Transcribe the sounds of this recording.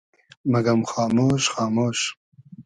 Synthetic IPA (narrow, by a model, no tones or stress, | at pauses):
mɐɡɐmxɑːmoːʃxɑːmoːʃ